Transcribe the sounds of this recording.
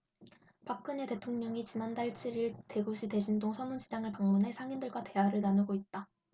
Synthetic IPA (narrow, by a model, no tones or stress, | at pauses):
pak͈̚ɯɲe̞te̞tʰoŋɲʌŋit͡ɕinandaɭt͡ɕʰiɾiɭte̞ɡuɕʰite̞ɕʰindoŋsʰʌmunɕid͡ʑaŋɯɭpaŋmunɦe̞sʰaŋindɯɭɡwate̞ɦaɾɯɭnanɯɡoit̚t͈a